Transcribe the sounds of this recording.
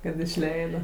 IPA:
kɐt ɪʃʲˈlʲɛɪdɐ

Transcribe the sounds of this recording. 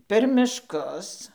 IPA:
pʲɛr mʲɪʃˈkʊs

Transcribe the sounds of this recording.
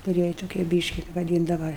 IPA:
kʊˈrʲiɛj toːˈkʲiɛ ˈbʲiːʃʲkʲɪ ʋɐˈdʲiːndɐʋɐ

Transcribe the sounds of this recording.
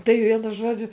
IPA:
tɐɪ ˈʋʲiɛnʊ ˈʒuɔd͡ʒʲʊ

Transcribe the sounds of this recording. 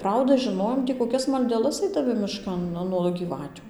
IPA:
ˈprɐʊdɐ ʒʲɪˈnoːjoːm tʲiː koːˈkʲɛs mɐlʲdʲɛˈlˠɐs ɐɪdɐˈmʲɪ mʲɪˈʃkɐn ˈnuɔ ɡʲiːˈʋɑːtʲʊ

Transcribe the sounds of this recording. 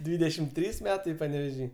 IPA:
ˈdʲʋʲiːdʲɛʃʲɪm ˈtʲrʲiːs ˈmʲæːtɐɪ pɐnʲɛʋʲɛˈʒʲiː

